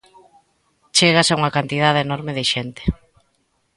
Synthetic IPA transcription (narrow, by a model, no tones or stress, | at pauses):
t͡ʃeɣasauŋɐkant̪iðaðenɔɾmeðɪʃent̪e̥